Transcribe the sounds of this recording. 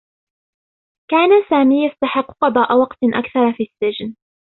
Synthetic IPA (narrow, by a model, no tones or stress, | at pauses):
kaːnasaːmiːjast̪aħɪqːqɑd̪ˤɑːʔawɑqt̪ʔa̰kθɑɾˤfiːsːɪd͡ʒn